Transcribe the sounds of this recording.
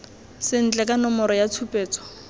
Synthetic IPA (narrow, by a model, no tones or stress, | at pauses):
sɪn̩t͡ɬʼɛkʼanɔmɔɾɔjat͡sʰupʼeːt͡sʼɔ̥